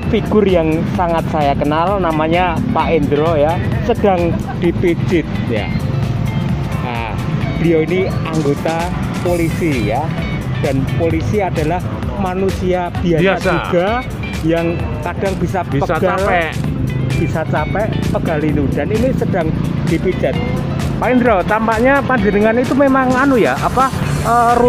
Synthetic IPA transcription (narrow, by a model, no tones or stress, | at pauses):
fiɡ̥ʊrjaŋsaŋat̪̚sajakənalnamaɲapaʔɪnd̪ɾojasəd̥aŋ | d̥i̤pit͡ʃɪt̪̚ja̰ | a̰ | b̥ijainiaŋɡot̪a | polisija | d̥anpolisiada̤lah | manusiab̥i̤asauɡ̥a | jaŋ | kad̥aŋb̥isappəɡalɛ | b̥isat͡ʃapɛʔpəɡ̥alinud̥aninisəd̥aŋd̥ipit͡ʃat̪̚ | paɪnɾɔt̪ampaʔɲapaɲd͡ʒənəŋanait̪umemaŋanujaapa | əru